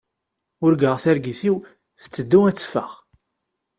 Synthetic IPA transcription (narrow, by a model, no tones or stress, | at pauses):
ʊɾɡəʁθæɾɡiθiw | θə̥t͡sːəd̪ːuæt͡sːfəʁ